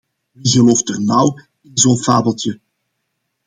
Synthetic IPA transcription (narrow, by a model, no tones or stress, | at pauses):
ʋiɣəloːftənaw | ɪnzoːfaːbəlˠtjə